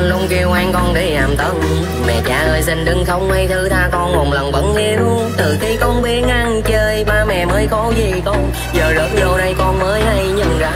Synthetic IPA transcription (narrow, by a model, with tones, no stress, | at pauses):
nɗo˧ŋ͡mki˧wʔaː˧ŋkɔ˧nɗe˧˩laː˨˩mt̪ə˧˩n | mɛ̰˧˨t͡ɕaː˨˩ʔəː˧˩jsï˧˩ŋ̟ɗɨ˧ŋxə˧wŋ͡mmə˧jt̪ʰɨ˧˥t̪ʰaː˧kɔ˧nŋo˨˩ŋ͡mlə˨˩ŋɓə̰˧˥nŋi˧n˧ŋt̪ɨ˨˩xi˧˦kɔ˧˩ŋ͡mɓi˨˦nʔa˧ŋt͡ɕəː˧jmaː˧˩mɛ̰˧˨məː˨˦jkɔ˧wzi˨˩kɔ˧ | zəː˨˩zə˨˦nzo˧˩ɗə˧jkɔ˧nməː˨˦jɗə˧jɲɨ˧˩ŋza̰ː˨˧˩